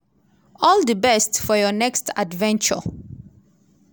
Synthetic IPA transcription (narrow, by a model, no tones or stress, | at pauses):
ɔldəbɛstfɔjɔnɛkstadvɛ̃nt͡ʃə̰